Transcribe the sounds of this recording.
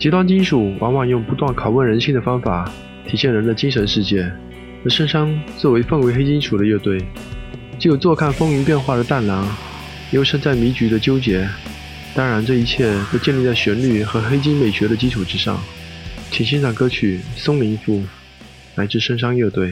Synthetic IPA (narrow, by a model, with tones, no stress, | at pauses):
t͡ɕi˧˥t̪wa˥nt͡ɕi˥nʂu˨˩wʔɑ̰˧˥ŋwɑ˨˩ŋjʊ˥˩ŋpu˧˥t̪wa˥˩nkʰɑ˨˩ʊwə˥˩nɻə˧˥nɕi˥˩ŋd̪ə˩fɑ˥ŋfa˨˩˦ | t̪ʰi˨˥ɕjɛ˥˩nɻə˧˥nd̪ə˧t͡ɕi˥ŋʂə˧˥nʂɻ̩˥˧t͡ɕjɛ˥˩ | ə˧˥ʂə˥ŋʂɑ˥ŋt͡swɔ˥˩we˧˥ɪfə˥˩ŋwe˧˥ɪxe˥ɪt͡ɕi˥nʂʰu˨˩ɾə˦jɛ˥˧t̪we˥˩ɪ | t͡ɕjo˨˩ʊt͡swɔ˥˧kʰa˥˩nfɤ˥ŋy˧˥pjɛ˥˧nxwa˥˩ɾə˩t̪a˥˩nlɑ˧˥ŋ˥ | jo˥˧ʊʂɤ˥˧ŋt͡sa˥˩ɪmi˧˥t͡ɕy˧˥d̪ə˧t͡ɕjo˥ʊt͡ɕjɛ˧˥ | t̪ɑ˥ŋɻa˧˥nʈ͡ʂɤ˥˩i˧˥t͡ɕʰjɛ˥˩t̪o˥ʊt͡ɕjɛ˥˧li˥˧t͡sa˥˩ɪɕɥɛ˧˥nly˥˩xɤ˧˥xe˥ɪt͡ɕi˥nme˨˩ɪɕɥɛ˧˥ɾə˧t͡ɕi˥ʈ͡ʂʰu˨˩ʈ͡ʂɻ̩˥ʂɑ̰˥˩ŋt͡ɕʰi˨˩ŋɕi˥nʈ͡ʂʰɑ˨˩ŋkɤ˥t͡ɕʰy˨˩sʊ˥ŋli˧˥ŋfu˥˩ | na˧˥ɪʈ͡ʂɻ̩˥˩ʂɤ˥ŋʂ̬ɑ˥ŋjɛ˥˧t̪we˥˩ɪ